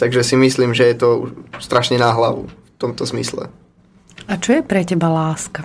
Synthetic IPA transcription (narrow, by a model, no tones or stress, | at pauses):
t̪aɡʒɛsimisliːmʒɛjɛt̪ɔṵʃst̪ɾaʃɲɛnaɦlaʋṵft̪ɔmt̪ɔzmḭslɛ̰ | at͡ʃɔjɛpɾɛcɛbalaːska